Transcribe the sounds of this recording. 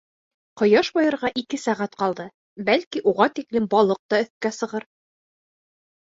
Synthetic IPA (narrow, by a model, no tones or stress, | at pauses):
qɤ̆jɑʃbɑjɤ̆ɾʁɑʔikɘsæʁæt̪qɑlˠd̪ɤ | bælkiʔuʁɑt̪iklɘmbɒlˠɤq̚t̪ɑɵ̆θkæsɤ̆ʁɤɾ